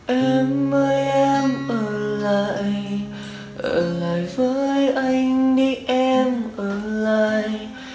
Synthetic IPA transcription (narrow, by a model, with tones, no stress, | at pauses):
ʔɛ˧mːəː˧˦jɛ˧mʔəː˧˩laː˧˨jj | ʔəː˧˩laː˨jvəː˨˦jʔa˧jŋɗi˧ʔɛ˧mʔəː˧˩laː˧˨j